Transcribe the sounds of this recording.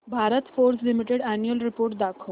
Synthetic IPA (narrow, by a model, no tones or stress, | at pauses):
bʱaɾət̪foɾslimiʈeɽænjuəlɾipoːɾʈ̚d̪akʰə